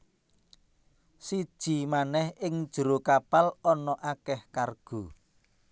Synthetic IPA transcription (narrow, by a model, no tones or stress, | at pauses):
si̥ʒ̥i̤manɛhɪŋd̥ʒ̥əɾokapalɔnɔʔakɛhkarɡ̥o̤